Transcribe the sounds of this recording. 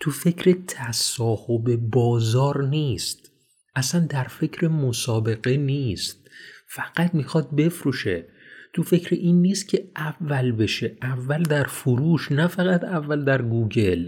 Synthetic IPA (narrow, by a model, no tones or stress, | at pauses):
t̪ʰufe̞cʰɾe̞t̪ʰæsɒːhobe̞bɒːzɒːɾniːst̪ | ʔæsænd̪æɾfe̞cʰɾemosɒːbe̞ɣe̞niːst̪̚fæɡ̥æt̪̚mixɒd̪̚be̞fɾuʃe̞ | t̪ʰufe̞cʰɾeʔiːnːiːst̪̚cʰeævːælbe̞ʃe̞ʔævːæld̪æɾfoɾuːʃnæfæɣæt̪ævːæld̪æɾɡuːɟe̞l